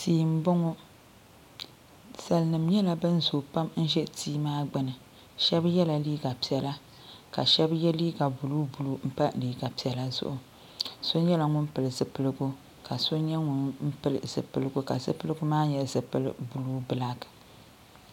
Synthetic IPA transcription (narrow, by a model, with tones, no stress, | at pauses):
tiː˨m̩˦bo˦ŋo˦ | sa˨lnɨ˨mɲɛ˦la˨bɨ˦n˦zo˨pa˦mn̩˦ʒɛ˦tʰiː˦maː˦ɡ͡bɨ˦nɨ˨ | ʃɛ˦bjɛ˦la˨liː˦ɡa˨pi˨ɛ˨la˦ | ka˨ʃɛ˦bjɛ˦liː˦ɡa˨bu˨luː˦bu˨˦lu˦m̩˦pa˦liː˨ɡa˨pi˨ɛ˨la˦zʊ̰˦ʔʊ˨ | so˦ɲɛ˦la˨ŋʊ˦npɨ˨lɨ˨zɨ˨pɨ˦lɨ˦ɡu˦ | ka˨so˦ɲɛ˦ŋʊ˨nm̩˦pɨ˦lz̥ɨ̰˨pɨ˦˨lɨ˦ɡu˦ka˨zɨ̰˨pɨ˦lɨ˦ɡʊ˦maː˦ɲɛ˨lzɨ˨pɨ̰˦l̰bu˨luː˦bɨ˨la˦ɡ